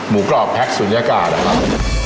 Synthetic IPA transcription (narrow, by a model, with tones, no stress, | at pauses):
muː˨˩˦klɔː˨˩pʰːɛ˦˥k̚suː˩˦njaː˧kaː˨˩t̪̚na˦˥kʰa˦˥p̚